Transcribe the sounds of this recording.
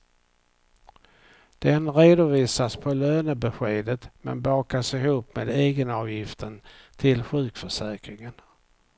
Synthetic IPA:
d̪̥ɛnɾeːd̪ʊviːsaspʰɔløːnəbɛɧeːd̪ət̪mɛ̰nbɑːkasɪɦuːpmeːd̪eːɡənɑːvjɪft̪ʰən | t̪ʰɪlɧʉ̟ːkfœʂɛːkɾɪŋən

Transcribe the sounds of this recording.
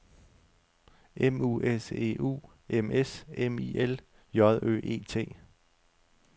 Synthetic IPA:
ʔemuːʔese̝̰ːʔṵː | emesemiel | jɒðˠø̰ːʔe̝̰ːt͡sʰe̝̰ː

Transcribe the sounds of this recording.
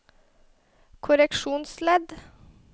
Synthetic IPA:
kʰʊɾɛkʃuːnslɛd̪

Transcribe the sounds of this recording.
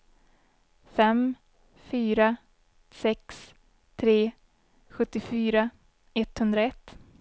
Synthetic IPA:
fɛm | fyːɾa | sɛks | t̪ʰɾeː | ɧɵt̪ːɪfyːɾa | ɛt̪ːhɵnd̪ɾaɛt̪ː

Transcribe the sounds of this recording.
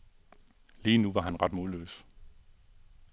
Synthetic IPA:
liːnuʋɑ̈ɦænʁɑ̈d̥moð̩ˠlø̰ːs

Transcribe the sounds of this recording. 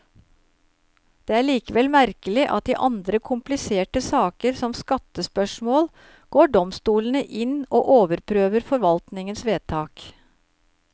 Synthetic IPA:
d̪̥eːæːɭiːkəʋɛlmæɾkəlɪʔɑt̪̚d̪ḭːʔɑnd̪ɾəkʰʊmplɪseːʈəsɑːkəɾsɔmskɑt̪əspœʂmoːl | ɡ̥oːɖɔmst̪uːlən̩əʔɪno̰ːʔoːʋəɾpʰɾøːʋəɾfɔɾʋɑlt̪nɪŋənsʋeːt̪ʰɑːk

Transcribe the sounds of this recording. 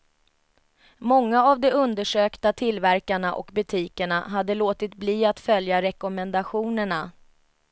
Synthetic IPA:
mɔŋːaavd̪ɛɵnd̪əʂøːkt̪at̪ʰɪlvæɾkaɳaʔɔ̰kbɵt̪ʰiːkəɳa̰ɦad̪ːəloːt̪ɪt̪bliːat̪fœljaɾɛkɔmɛnd̪aɧuːnəɳa

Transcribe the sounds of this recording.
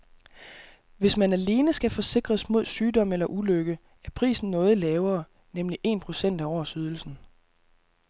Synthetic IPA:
ʋe̝smænæle̝ːnəsɡ̥æfɒ̽se̝ɡ̥ʁɐsmo̝ð̞̰ˠsyːdɒ̽melɐʔuløɡ̥ə | æɐpʰʁḭːsn̩nɔ̽ːð̞̩ˠlɛːʊɐː | nemliʔe̝̰ːnpʰʁo̝sen̰d̥æɒsyð̞ˠl̩sn̩

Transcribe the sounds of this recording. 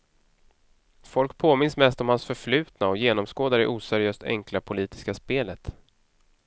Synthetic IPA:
fɔlkpʰoːmɪnsmɛst̪ɔmhansfœɾflʉ̟ːt̪naɔjeːnɔmskoːd̪aɾɪʔuːsæɾɪjøːst̪ɛ̰ŋklapʰʊliːt̪ɪ̥skaspeːlət̪

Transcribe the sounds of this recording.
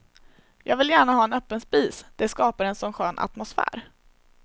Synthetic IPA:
jʔɑːɡvɪljæːɳaɦɑːɛnœpːənspiːsd̪̥ɛskɑːpaɾɛnsɔmɧøːnʔa̰t̪mʊsfæ̰ːɾ

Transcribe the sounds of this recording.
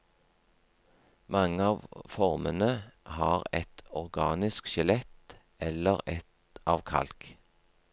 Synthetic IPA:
mɑŋəɑːʋfɔʁmənəhɑːʁɛt̪ɔʁɡɑːnɪskʃɪlɛt̪ | ɛləʁɛt̪ | ɑːʋkʰɑ̰lk

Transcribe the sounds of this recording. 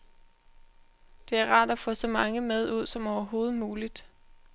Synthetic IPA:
d̥e̝æɐʁɑ̈ːd̥æfɔ̽sɒ̽mɑ̈ŋəmeð̞ˠuð̞̰ˠsɒ̽mɒʊɐɦo̝ːð̩ˠmuːlid̥

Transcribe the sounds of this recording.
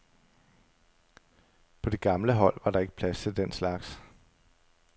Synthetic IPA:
pʰɒ̽d̥e̝ɡ̥ɑ̈mləɦɒ̽l̰ʋɑ̈ɾ̥ɑ̈e̝ɡ̥ə̥pʰlæst͡sʰe̝ld̥enslɑ̈ɡ̥s

